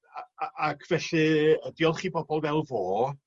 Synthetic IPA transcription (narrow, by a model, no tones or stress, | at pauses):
ʔakʰv̥ɛɬɨəd̥iɔlˠχiːbɔbɔlˠvɛlˠvoː